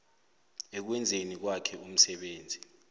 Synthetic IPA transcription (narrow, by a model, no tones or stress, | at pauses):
ɛk̬wɛnd͡zʱenik̬wakʰɛum̩sɛɓeːnd͡zʱi